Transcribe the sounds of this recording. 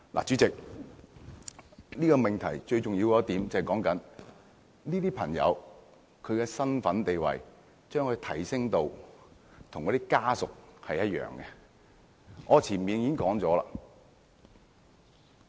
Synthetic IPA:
la̰˨˩t͡ʃyː˨˥t͡sɪ˨k̚ | niː˥kɔː˧mɪ˨ŋt̪ʰɐ̰˨˩jt͡ʃɵ˧ɥt͡sʊ˨ŋji˧wɔː˧t̪iː˨˥mt͡sɐ˨hjkɔː˨˥ŋkɐ˨˥n | niː˥t̪iː˥pʰɐ˨˩ŋjɐ̰˨˧w | kʰɵ˨˧ɥkɛː˧sɐ˥nfɐ˨˥nt̪e˨jwɐ̰˨˩j | t͡ʃœː˥ŋkʰɵ˨˧t̪ʰɐ˨˩jsɪ˥ŋt̪o˧w | t̪ʰʊ˨ŋkɔː˨˥t̪iː˥kaː˥sʊ˨k̚hɐ˨jɐ˥t̚jœ̰ː˨˩ŋɡɛ˧ | ŋɔː˨˧t͡sʰiː˨˩nmiː˨˧njiː˨˥ŋkɔː˨˥ŋt͡sɔː˨˥la̰ː˧˨

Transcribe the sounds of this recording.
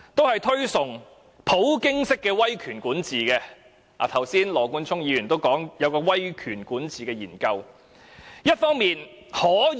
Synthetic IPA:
t̪o˥whɐ˨jt̪ʰɵ˥ɥsʊ˨ŋ | pʰo˨˥wkɪ˥ŋsɪ˥kːɛː˧wɐ˥jkʰyː˨˩nkuː˨˥nt͡siː˨˩kɛː˧ | a̰ː˨˩t̪ʰɐ˨˩wsiː˥nlɔː˨˩kuː˧˥nt͡sʰʊ˥ŋjiː˨˧jyː˨˩nt̪o˥wkɔː˨˥ŋjɐ˨˧wkɔː˧wɐ˥jkʰyː˨˩nkuː˨˥nt͡siː˨kɛː˧jiː˨˩nkɐ˧w | jɐ˥t̚fɔː˥ŋmiː˨n | hɔː˨˥

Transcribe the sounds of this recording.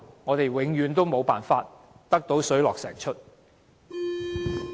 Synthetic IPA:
ŋɔː˨˧t̪e˨jwɪ˨˧˥ŋjyː˨˧nt̪o˥wmo˨˧wpa̰ː˨nfaː˧t̚ | t̪ɐ˥k̚t̪o˨˥wsɵ˨˥ɥlɔː˨ksɛ̰ː˨˩ŋt͡ʃʰɵ˥t̚

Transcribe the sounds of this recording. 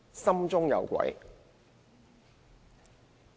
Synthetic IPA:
sɐ˥mt͡sʊ˥ŋjɐ̰˨˧wkʷɐ̰˨˥j

